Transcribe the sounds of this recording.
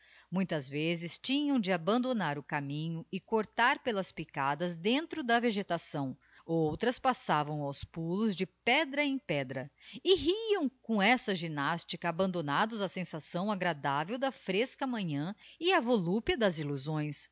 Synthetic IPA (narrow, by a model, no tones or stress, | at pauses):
mũj̃t̪ɐzvezɪst͡ʃĩɲɐ̃w̃d͡ʒɪabɐ̃nd̪onaɾʊkamĩɲʊɪkoɾt̪aɾpelɐspikad̪ɐzd̪ẽnt̪ɾʊd̪ɐveʒet̪asɐ̃w̃ | owt̪ɾɐspasavɐ̃w̃awspulʊzd͡ʒɪpɛd̪ɾɐẽj̃pɛd̪ɾɐɪɦiɐ̃w̃kõɛsɐʒinast͡ʃikɐːbɐ̃nd̪onad̪ʊzɐsẽsasɐ̃w̃aɡɾad̪avewd̪ɐfɾeskɐmɐ̃ɲɐ̃ɪɐvolupjɐd̪ɐziluzõj̃s